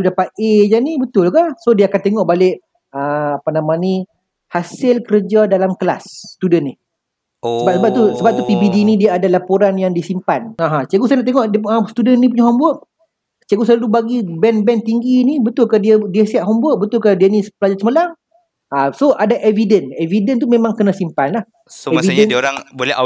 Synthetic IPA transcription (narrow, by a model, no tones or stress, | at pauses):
udapat̪̚ed͡ʒanibət̪ʊlkasodiəakant̪eŋɔʔbalɪʔ | əapanamani | hasɪlkəɾəd͡ʒadalamkla̰st̪udənːi | səbasəbap̚t̪usəbap̚t̪upibidinidiaadalapoɾanjaŋdisimpanaɦãt͡ʃaɡusajanaʔt̪eŋɔʔdiəsə̥t̪udənnĩp̬uɲaɦɔmbʊʔ | t͡ʃiaɡusəlalubaɡibɛnbɛnt̪iŋɡinibət̪ʊlkadiədiəsiaʔɦɔmbʊʔ̚bət̪ʊlkadiənispəlad͡ʒasəməlaŋ | asoʔadaʔevidənɛvidənt̪̬umẽmãŋkənãsimpanlah | sevidənabolɛ